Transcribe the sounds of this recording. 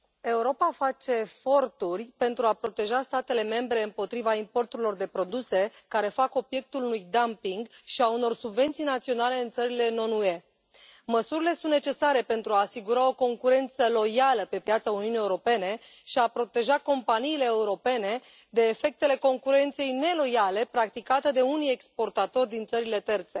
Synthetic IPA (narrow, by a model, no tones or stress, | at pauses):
e̞uɾo̞pafat͡ʃe̞ːfo̞rt̪urʲpe̞nt̪ɾuapɾo̞t̪e̞ʒast̪at̪e̞le̞me̞mbɾe̞ɨmpo̞t̪ɾivaimpo̞rt̪uɾilo̞rd̪e̞pɾo̞d̪use̞kaɾe̞fako̞bje̞k̚t̪ulunujd̪ampiŋɡʃiauno̞rsubve̞nt̪sijnat̪sio̞nale̞ɨnt̪səɾile̞no̞nue̞ | məsuɾile̞sunt̪ne̞t͡ʃe̞saɾe̞pe̞nt̪ɾuaːsiɡuɾao̞ko̞ŋkuɾe̞nt̪səlo̞jaləpe̞pjat̪sauniunieuɾo̞pe̞ne̞ʃiapɾo̞t̪e̞ʒako̞mpaniːle̞ːuɾo̞pe̞ne̞ | d̪e̞ːfe̞k̚t̪e̞le̞ko̞ŋkuɾe̞nt̪sejne̞lo̞jale̞pɾak̚t̪ikat̪ed̪e̞unije̞kspo̞rt̪at̪o̞rʲd̪int̪səɾile̞t̪e̞rt̪se̞